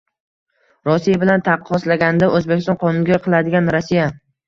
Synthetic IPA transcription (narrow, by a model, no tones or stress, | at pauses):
ɾɒsijabɪlant̪ʰɑqːɒslaɡʲanɪd̪aʔɵzbekʲɪst̪ɒ̃nqʰɒnʊnŋɡʲaqʰɨlˠad̪ɪɡʲanɾɒsija